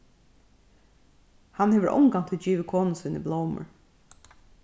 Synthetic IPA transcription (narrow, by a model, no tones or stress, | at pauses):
hanheːʋə̰ɾʔɔ̰ŋɡaŋ̥t̪ʰɪd͡ʒiːʋɪkʰoːnnsiːnḭblowmə̰ɹ